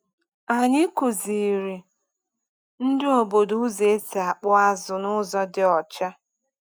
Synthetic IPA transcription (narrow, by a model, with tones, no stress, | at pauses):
a˨ɲɪ˦ku˨zi˨ɾi˨ | n̩˦dɪ˦o˨bo˨dʊ˦ze˨˦ta˨k͡pʊ˦a˦zʊ˨nʊ˦zɔ˦dɪ˦ɔ˨t͡ʃa˦